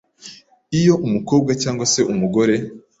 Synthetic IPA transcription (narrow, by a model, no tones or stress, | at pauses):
ijo̞ʔumuko̞ːb̚ɡacaːŋɡwase̞ʔumuɡo̞ɾe̞